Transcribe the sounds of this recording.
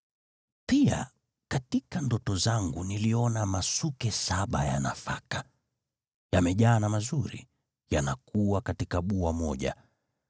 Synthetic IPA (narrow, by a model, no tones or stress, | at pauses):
pia̰ | katikandɔtɔzaŋɡuniliɔnamasukɛsaɓajana̰fa̰kḁ | jamɛʄaːnamazuɾḭ | janakuakatikaɓuamɔʄa̰